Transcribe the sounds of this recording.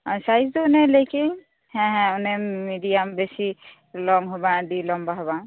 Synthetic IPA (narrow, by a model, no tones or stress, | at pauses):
asajsd̪onelekin | hɛ̃ɦɛ̃unemiɖijambesi | lɔŋɦobaɖilɔmbaɦobã